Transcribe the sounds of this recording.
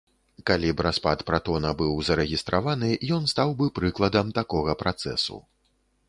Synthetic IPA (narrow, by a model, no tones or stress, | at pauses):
kalʲibɾaspat̪pɾat̪ɔnɐbɨwzɐɾɛɣʲist̪ɾʔavanɨjɔnst̪awbɨpɾɨklˠɐd̪ɐmt̪akɔɣɐpɾat̪sɛ̰sṵ